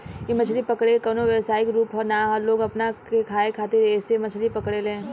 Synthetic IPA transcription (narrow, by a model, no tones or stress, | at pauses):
jemɐt͡ʃʰlipɐkɽekɔnoʋɛːsaːɪkɾuːpɦɔːɾnaɦloːɡɐpnakekʰaːekʰaːt̪ɪɾɛːsemɐt͡ʃʰlipɐkɽelẽː